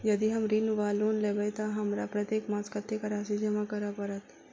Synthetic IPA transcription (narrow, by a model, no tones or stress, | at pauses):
jɐd̪iɦɐmɾiːnuʋaːloːnleːbəjt̪aɦɐmɾapɾɐt̪jeːkmaːskat̪ːekaɾaːsid͡ʒɐmãkɐɾapɐɾət̪